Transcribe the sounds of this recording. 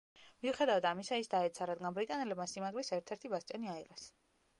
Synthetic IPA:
miuχɛd̪avad̪amisaisd̪aɛt̪sʰaɾad̪ɡanbɾit̪ʼanɛlɛbmasimaɡlisɛɾt̪ʰɛɾt̪ʰibast̪t͡ʃ̪ʼɛniaiʁɛs

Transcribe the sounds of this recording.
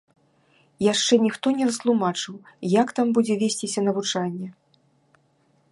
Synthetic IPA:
jaʂt͡ʂɛnʲixt̪ɔnʲɛɾɐst̪lˠumat͡ʂɨwjakt̪ambud͡zʲɛvʲesʲt͡sʲisʲɐnɐvut͡ʂanʲːɛ

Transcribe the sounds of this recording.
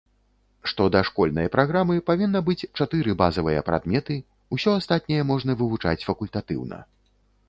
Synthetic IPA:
ʂt̪ɔd̪ɐʂkɔlʲnɐjɐpɾaɣɾamɨpavʲinːɐbɨt͡sʲt͡ʂat̪ɨɾɨbazɐvɨjɐpɾa̰d̪mʲɛt̪ɨ | usʲɔast̪at̪nʲɛjɛmɔʐn̪ɐvɨvut͡ʂa̰t͡sʲfɐkulʲt̪at̪ɨ̰wnɐ̰

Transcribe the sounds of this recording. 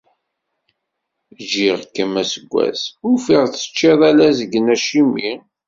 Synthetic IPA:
ʒiʁkːəmæsəɡʷːæ̰sʊfiʁθə̥t͡ʃːiðˤælæzəɡənæʃimi

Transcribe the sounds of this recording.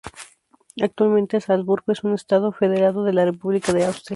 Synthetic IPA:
ak̚t̪walmẽnt̪esalzβuɾɣoe̞sune̞st̪að̞o̞fe̞ð̞e̞ɾaðo̞ðe̞larepuβlikaðeawst̪ɾja

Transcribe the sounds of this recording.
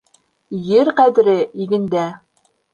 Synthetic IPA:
jɘɾqæd̪ɘ̆ɾɘiɡɘ̆nd̪æ

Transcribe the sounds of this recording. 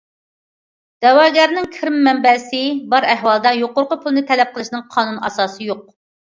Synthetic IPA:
d̪̥ɛwɑːɡʲɛɾnɪŋkʲʰɪɾɪmːɛmbɛsɪbɑɾɛɦwɑlˠd̪ɑjoqʊɾqʊpʰulˠnɨt̪ʰɛlɛp̚qʰəlˠɨʃnɨŋqʰɑːnunɑ̰sɑːsɨjoq̚

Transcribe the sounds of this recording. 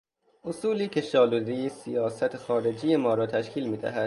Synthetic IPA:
ʔosuːliːcʰe̞ʃɒːlud̪ejesijɒːsæt̪ʰexɒːɾe̞d͡ʒijemɒːɾɒːt̪ʰæʃkʰiːlmiːd̪æ̰ɦæd̪̥̚

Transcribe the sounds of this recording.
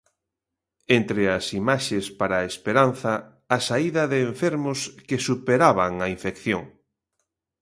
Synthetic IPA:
ent̪ɾeɐsimaʃespaɾaespeɾan̟θɐː | saiðɐðeːɱfeɾmʊskesupeɾaβaŋɐiɱfekθjoŋ

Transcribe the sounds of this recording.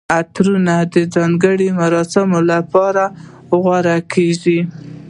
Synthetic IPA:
at̪ɾunad̪əd͡zɑŋɡəɽimaɾɑsɪmolapɑɾa | ɣwaɾakʰeʒi

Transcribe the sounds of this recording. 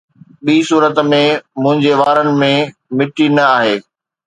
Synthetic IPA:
ɓiːsuːɾət̪mẽmʊ̃ɦɪ̃ɲd͡ʑeʋaːɾənɪ̆mẽmɪʈinɐaːɦeː

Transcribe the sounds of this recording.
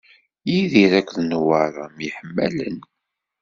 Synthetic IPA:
jiðiɾækʷːðnwaɾˤamjəħəmːæ̰lə̰n

